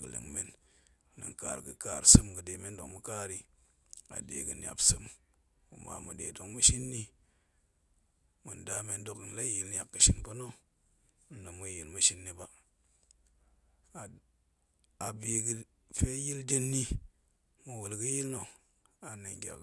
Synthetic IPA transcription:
ɡə˨lḭ˨ŋme˦n˨˦ | nɨ̰˨ŋka̰˨ɾɡɨ˨ka˦˨ɾsɨ˦mɡɨ˨de˨me˦ndo˨mu˦ka˦ɾi˦ | a̰˨dḛ˨ɡə˨n˨a̰˨bsɨ˦m | u˨ma̰˨mṵ˨dḛ˨do˨ŋmu˦ʃi˦nːi˦ | mu˨nda˦me˦ndo˦kn˨la˦ji˨ln˦a˨kːɨ˨ʃi˨npo˦no˦ | no˨mu˦ji˨lmu˦ʃi˦nːi˦ba˦˨ | a˨bi˨ɡi˦ | fe˦ji˦lde˦nːi˦ | mu˨wu˨lɡə˦ji˦lno˨ | a˨nə˨ŋɡʲa̰˨k

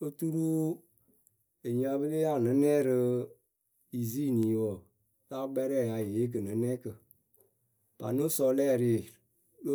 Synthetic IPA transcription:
ə˦tu˦ɾu˦ | e˨ɲĩ˦a˧bə˦le˦ja˦˨nɨ̃˨˦nɛ˦˨ɾɨ˧ | i˨zi˦˨nĩ˨˦wɔ˨ | la˦ɡ͡bɛ˦ɾɛ˦˨ja˨je˨˦k̬ə˨nɨ̃˨˦nɛ̃ː˦kə˨ | pa̰˨nõ˦sɔ˧lɛː˦˨ɾɪ˨˦e˨˦

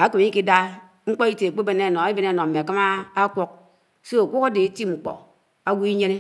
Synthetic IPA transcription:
a˨˦ke˨m˨˦i˦ki˦da˦ | ŋ͡m̩˦k͡po˦i˦te˨k͡pe˦be˨ne˦˨no˨e˦be˦ne˦˨no˨m̩˨e˨ka˦maː˦kʷo˦k̚ | so˦o˨kʷo˦ka˦de˨e˦ti˦m˨ŋ͡m̩˨k͡po̰˨ | a˦wu˦i˦ɲe˦ne˦

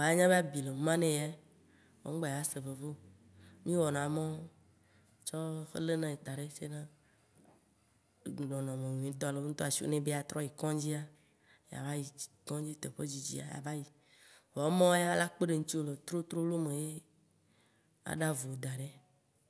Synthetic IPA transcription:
wa˨ja˦ɲã˦be˦a˦bi˨le˨˦mã˦nẽ˦ja˦ | wo̰˨ŋ̩˦ɡ͡bɛ˦ja˨˦se˨be˨vo˦ | mĩ˦wɔ˨nã˨mɔ̃˦ | t͡ʃɔ˦xḛ˦le˦nã˨e˨t̪a˨ɖe˦se˦nã˦˨ | ɖɔ̃˨nɔ̃˨mẽ˨n˨ĩ˨˦t̪ɔ̃˦˨le˨˦ŋ̩˦t̪ɔ˦a˨ʃi˦o̰˦nẽ˦be˦a˨t̪ɾɔ˦ji˨kɔ̃˦d͡ʑi˦a˦ | ja̰˨va˦ji˨ | kɔ̃˦d͡ʑi˦t̪e˨ɸe˦d͡ʑi˨d͡ʑḭ˦a̰˨ja̰˨va˦ji˨ | wɔ˨˦mɔ̃˦wja˦la˦k͡pe˦ɖe˨ŋ̩˦t͡ɕi˦o˦˨le˨t̪ɾo˦t̪ɾo˦lo˦mẽ˨je˦ | a̰˨ɖa˦vo˨d̪a˨ɖe˦

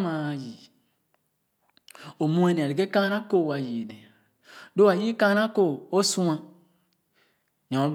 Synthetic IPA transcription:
ma˨ji˨ | o˨mũ˦e˦ne˨a˨i˨ke˦kã˦na˦ko˦˨wa˨ji˨ne˨ | do˦a˨ji˦kã˦na˦ko˦˨o˦su˦ã˦˨ | ɲɔ̃˨˦

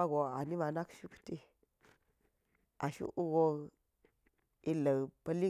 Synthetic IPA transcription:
a˦ɡo˨a˨ni˦ma˨na˦kʃu˦kti˦ | a˨ʃṵ˦ʔu˦ɡo˦ | i˦lə˨pə˦li˦

